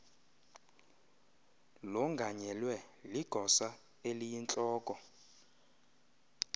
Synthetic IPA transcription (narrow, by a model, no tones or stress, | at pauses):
lɔŋɡʱaɲɛlwɛliɡ̥ʱɔsa | elijint͡ɬʼɔːkʼɔ